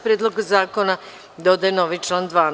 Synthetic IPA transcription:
pɾʲjeːd̪loɡazaːko̞na | d̪o̞d̪ajeno̞ːʋit͡ʃlˠaːnd̪ʋaːn

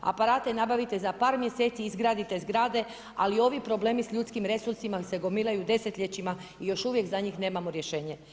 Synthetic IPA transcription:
a̰paɾaːt̪e̞nabaʋit̪e̞zapaːɾmje̞se̞ːt̪siizɡɾaːd̪it̪e̞zɡɾaːd̪e̞ | alio̞ʋipɾo̞ble̞ːmisʎuːt̪skimɾe̞suɾsimase̞ɡo̞milˠajud̪e̞set̪ʎet͡ɕimaijo̞ʃuʋje̞kzaɲiːxne̞ːmamoɾjeʃe̞ːɲe̞

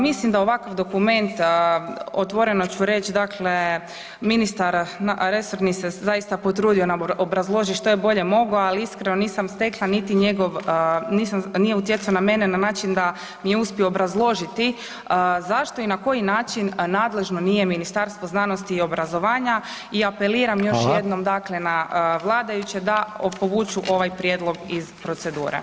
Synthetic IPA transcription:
mislimd̪aoʋakoʋd̪o̞kume̞nt̪ | ot̪ʋo̞ɾe̞not͡ɕuɾe̞t͡ɕd̪akʰle̞ | minist̪aɾnaɾeso̞ɾnisezajist̪apo̞t̪ɾuːd̪io̞naobɾazlˠo̞ʒiʃt̪ojebo̞ʎe̞mo̞ɡoaliiskɾeno̞niːsamst̪e̞klˠanit̪iɲe̞ɡo̞ʋniːsamnije̞ut̪jet̪suoname̞nenanaːt͡ʃind̪a | mije̞uspio̞ːbɾazlˠo̞ʒit̪i | əzaʃt̪o̞inako̞jinaːt͡ʃinːaːd̪le̞ʒno̞niːje̞minist̪aɾst̪ʋo̞znano̞st̪iːo̞bɾazo̞ʋaːɲa | iape̞liːɾamjo̞ʃjed̪nomd̪aklenaəʋlˠaːd̪ajut͡ɕed̪apo̞ʋuːt͡ʃuʔo̞ʋajpɾjeːd̪lˠo̞ɡizpɾo̞t̪se̞d̪uːɾḛ

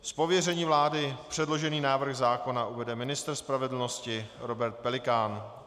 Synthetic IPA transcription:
spo̞vjɛr̝ɛɲiːvlaːdɪpr̝̥ɛdlo̞ʒɛniːnaːvr̩xɣzaːko̞naʔuvɛdɛmɪnɪst̪r̩spɾavɛdl̩no̞scɪɾo̞bɛɾt̪̚pɛlɪkaːn

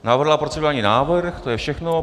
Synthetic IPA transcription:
navr̩ɦlapɾot͡sɪllaːɲinaːvrrxt̪ojɛfʃɛxno

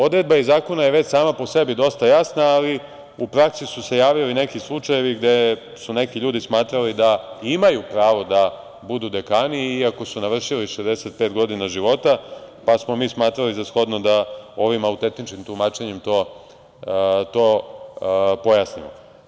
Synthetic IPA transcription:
o̞d̪ɾe̞d̪̚baizaːko̞najeʋe̞t͡ɕsaːmapo̞se̞bid̪o̞st̪ajasnaːli | upɾaksisuse̞jaːʋiline̞kislˠut͡ʃaje̞ʋiɡd̪e̞ | sune̞kiʎuːd̪ismaːt̪ɾalid̪aimajupɾaːʋo̞d̪a | bud̪ud̪e̞kaːniːako̞sunaʋr̩ʃiliʃezd̪e̞se̞t̪̚pe̞ːt̪ɡo̞d̪inaʒiʋo̞t̪apasmo̞miːsmaːt̪ɾalizasxo̞d̪no̞d̪ao̞ʋimaut̪e̞nt̪nit͡ʃkimt̪umaːt͡ʃe̞ɲemt̪o̞ː | t̪o̞ː | po̞jasnḭmo̰

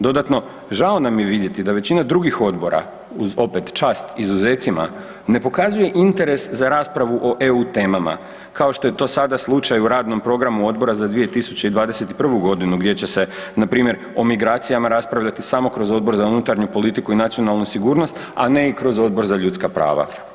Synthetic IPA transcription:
d̪o̞d̪at̪no̞ | ʒao̞namje̞ʋid̪je̞t̪id̪aʋe̞t͡ɕinad̪ɾuɡixo̞d̪bo̞ɾa̰ | uzo̞pe̞t̪t͡ʃaːst̪izuze̞ːt̪sima̰ | ne̞po̞kazuje̞ʔint̪e̞ɾe̞szaɾaːspɾaʋuʔo̞ʔe̞ut̪e̞ːmama̰ | kao̞ʃt̪o̞jet̪o̞ːsad̪aslˠut͡ʃajuɾaːd̪no̞mpɾo̞ɡɾamuo̞d̪̚bo̞ɾazad̪ʋije̞t̪isut͡ɕeid̪ʋaːd̪e̞se̞t̪i̥pr̩ʋuɡo̞d̪inuɡd̪je̞t͡ɕe̞se̞napɾiːmje̞ɾ | o̞miɡɾaːt̪sijamaɾaspɾaʋʎat̪isamo̞kɾo̞zo̞d̪̚bo̞ɾzaunut̪aɾɲupo̞lit̪ikuinat̪sio̞nalˠnusiɡuːɾno̞st̪a̰ne̞ikɾo̞zo̞d̪̚bo̞ɾzaʎut̪skapɾa̰ːʋa̰

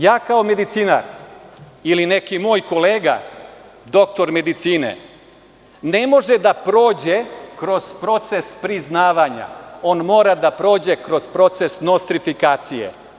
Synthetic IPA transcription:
jaːkaome̞d̪it̪siːna̰ɾ | iline̞kimo̞ːjko̞leːɡa̰ | d̪o̞k̚t̪o̞ɾme̞d̪it̪siːnḛ | ne̞mo̞ʒed̪apɾo̞ːd͡ʑekɾo̞z̥pɾo̞t̪se̞spɾiznaːʋaɲa̰o̞ːnmo̞ːɾad̪apɾo̞ːd͡ʑe̞kɾo̞zpɾo̞t̪se̞snost̪ɾifikaːt̪sijḛ

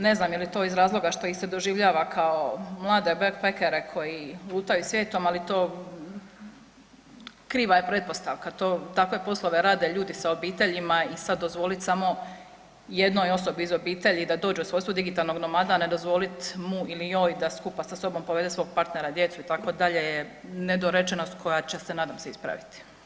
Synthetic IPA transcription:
ne̞znaːmjelit̪o̞ːizɾaːzlˠo̞ɡaʃt̪o̞ised̪o̞ʒiʋʎaːʋakʰaomlˠaːd̪e̞beɡpekeɾekʰo̞jilˠuːt̪ajusʋjeːt̪omalit̪o̞ː | kɾiːʋajepɾet̪̚po̞st̪aʋkat̪o̞ːt̪akʋe̞po̞slo̞ʋe̞ɾaːd̪e̞ʎuːd̪isaobiːt̪e̞ʎimaisad̪ːozʋo̞lit̪samo̞ | jed̪no̞jo̞sobiizobiːt̪e̞ʎid̪ad̪oːd͡ʒɛusʋojst̪uod̪iɡit̪aːlˠno̞ɡnomad̪aːne̞d̪o̞zʋo̞lit̪muilijo̞ːjd̪askupasaso̞bo̞mpoed̪esʋo̞ːɡ̚paɾt̪neɾad̪je̞t̪suit̪ako̞d̪aʎejened̪oɾet͡ʃenost̪kʰo̞jat͡ɕesenaːd̪amseispɾa̰ʋit̪i̥

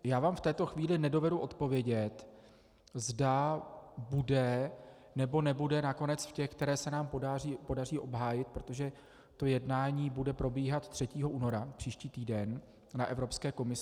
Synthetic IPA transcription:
jaːvaːmft̪ɛːt̪o̞xviːlɪnɛdo̞vɛduʔo̞t̪po̞vjɛɟɛt̪ | zda | budɛ | nɛbo̞nɛbudɛnako̞nɛt͡sfcɛxkt̪ɛɾɛːsɛnaːmpodariːpo̞dar̝iːʔo̞bɦaːjɪt̪̚pɾo̞t̪o̞ʒɛ | t̪o̞jɛdnaːɲiːbudɛpɾo̞biːɦat̪t̪ːr̥ɛciːɦo̞ʔuːno̞ɾapr̥iːʃciːt̪iːdɛnː | aʔɛvɾo̞pskɛːko̞mɪs

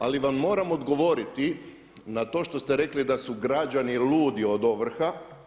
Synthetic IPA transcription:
aliʋamːo̞ːɾamod̪ɡo̞ʋo̞ɾit̪i | nat̪o̞ːʃt̪o̞st̪eɾe̞klid̪asuɡɾad͡ʒanilʲuːd̪io̞d̪o̞ʋr̩xa

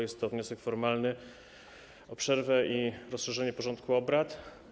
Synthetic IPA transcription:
jɛst̪ːɔvɲɔsɛkfɔɾmalnɘ | ɔpʂɛɾvɛʔiɾɔsʂɛʐɛɲɛpɔʐɔnt̪̚kʰuɔbɾat̪

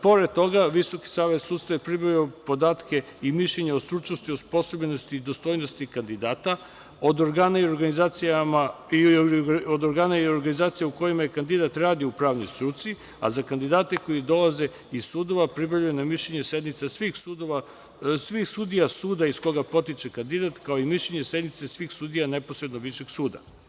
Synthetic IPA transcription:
po̞ɾed̪̚t̪o̞ɡaʋiso̞ki̥saːʋe̞t̪suːd̪st̪ajepɾibɾajuopo̞d̪aːt̪ke̞ | imiʃʎeɲaost̪ɾut͡ʃno̞st̪iospo̞sobenost̪id̪o̞st̪o̞jnost̪ikand̪id̪aːt̪a | od̪oɾɡaːnaio̞ɾɡanizat̪siama | iod̪oɾɡaːnaio̞ɾɡanizaːt̪sijauko̞jimajekand̪id̪at̪ɾaːd̪iupɾaːʋno̞̰jst̪ɾut̪si | a̰zakand̪id̪aːt̪eko̞jid̪o̞lˠaze̞ | izsuːd̪o̞ʋapɾibɾaʎujenamiʃʎe̞ɲese̞d̪nit̪sasʋixsud̪oʋa | sʋixsuːd̪ijasuːd̪aisko̞ɡapo̞t̪it͡ʃe̞kand̪id̪at̪kaoimiʃʎeɲese̞d̪nit̪sesʋiːxsuːd̪ijane̞posɾed̪no̞ʋiʃeɡsuːd̪a̰

